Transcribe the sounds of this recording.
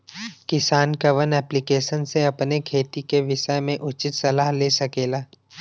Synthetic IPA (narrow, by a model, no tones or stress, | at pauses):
kɪsaːnkɐʋənɛːplɪkeːʃənseɐpnekʰeːt̪ikeʋɪʃəjmẽʔʊt͡ʃɪt̪sɐlaːɦleːsɐkeːlaː